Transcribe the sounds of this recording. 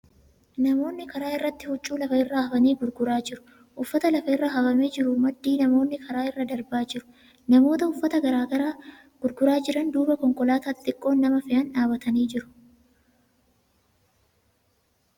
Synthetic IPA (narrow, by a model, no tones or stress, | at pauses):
nɐmo̞ːnːɪkɐɾaːɪrːɐt̪ːɪhʊt͡ʃʼːuːlɐfɐɪrːaːhɐfɐniːɡʊɾɡʊɾaːd͡ʒɪɾʊ̥ | ʔʊfːɐt̪ɐlɐfɐɪrːɐɦɐbɐmed͡ʒɪɾʊmɐd̪ːiːnɐmo̞ːnːɪkʰɐɾaːɪrːɐd̪ɐɾbaːd͡ʒɪɾʊ̥ | nɐmo̞ːt̪ɐʊfːɐt̪ɐɡɐɾaːɡɐɾaː | ɡ̥ʊɾɡʊɾaːd͡ʒɪɾɐnd̪uːbɐkɔŋkɔlaːt̪aːt̪ʼːɪkʼːo̞ːnːɐmɐfɪʔɐnᶑaːbɐt̪ɐniːd͡ʒɪɾʊ̥